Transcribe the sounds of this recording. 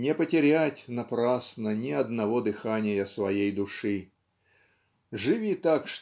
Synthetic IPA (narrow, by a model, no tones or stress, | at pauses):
nʲɪpətʲɪɾʲætʲnɐpɾasnənʲɪɐd̪nɐvod̪ɨxanʲɪjəsvɐjejd̪ʊʂɨ | ʐɨvʲit̪akʂ